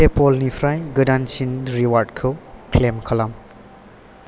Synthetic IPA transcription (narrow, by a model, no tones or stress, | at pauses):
epɔlnipʰɾajɡɯdansinɾiwaɾdkʰɯkʰlemkʰɐlam